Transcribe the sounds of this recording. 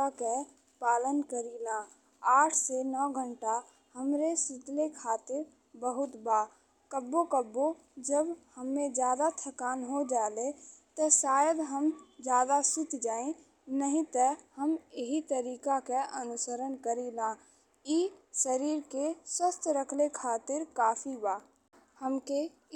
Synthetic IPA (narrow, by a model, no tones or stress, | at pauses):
ake | paːlənkəɾiːlãː | aːʈʰsenɔːɡʱə̃ɳʈa | həmɾesɪt̪lekʰaːt̪ɪɾ | bəɦʊt̪baː | kəbːokəbːo | d͡ʒəbhəmːẽd͡ʒjaːd̪at̪ʰəkaːnɦod͡ʒaːlet̪ɔsaːjəd̪ɦəmd͡ʒjaːd̪asɪt̪d͡ʒaːẽ | nəɦĩt̪əhəmeɦit̪əɾiːkakeʔənʊsəɾənkəɾilãː | isəɾiːɾkeswəst̪ɾəkʰlekʰaːt̪ɪɾkaːpʰibaː | həmke